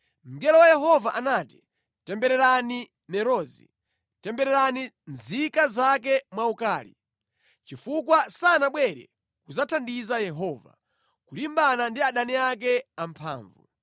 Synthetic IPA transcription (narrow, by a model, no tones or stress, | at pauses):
m̩ɡɛlɔwajɛɦɔvaʔanaːti̥ | tɛmbɛɾɛɾani | mɛɾɔːzḭ | tɛmbɛɾɛɾani | nzikazakɛmwaukaːlḭ | t͡ʃifukwasanaɓwɛɾɛ̰ | kuzatʰandizajɛɦɔːva̰ | kulimbanandiaɗaniak̬ɛam̩pʰa̰ːɱvṵ